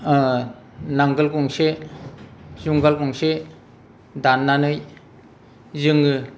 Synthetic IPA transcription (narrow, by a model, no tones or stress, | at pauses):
naŋɡɯlkuŋse | zuŋɡalkɔŋse | danːanɯj | zɯŋɯ